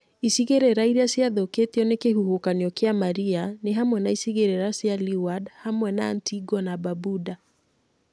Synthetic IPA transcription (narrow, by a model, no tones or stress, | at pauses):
isiɣeɾɛɾaiɾasiaðɔketiɔnekeɦuhokanɔkɛamaɾianeɦamwɛnaisiɣeɾɛɾasialiwadhamwɛna̰ntiɡɔnababuda